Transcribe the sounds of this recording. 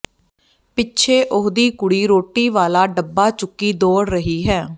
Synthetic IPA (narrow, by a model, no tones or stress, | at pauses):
pɪtːt͡ʃʰeːʔʊɦd̪iːkʊɽiːɾoːʈiːʋaːlaːɖəbːaːt͡ʃʊkːiːd̪oːɽɾəɦiːɦɛː